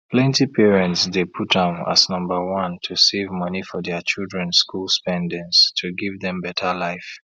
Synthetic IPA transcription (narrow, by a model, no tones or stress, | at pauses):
pʰlɛ̃ntipʰɛɹɛ̃ntsdepʰutɛ̃ma̰znʌ̃mbə˞wʌ̃ntʰusevmʌnifɔðɛt͡ʃilˠdɹɛ̃nskulˠspɛ̃ndɪ̃ŋstʰuɡivðɛ̃mbɛtʰə˞laɪf